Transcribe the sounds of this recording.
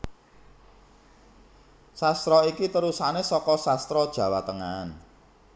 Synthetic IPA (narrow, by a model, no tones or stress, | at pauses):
sast̪ɾɔikit̪əɾusanesɔkɔsast̪ɾɔd̥ʒ̥ä̤wat̪əŋan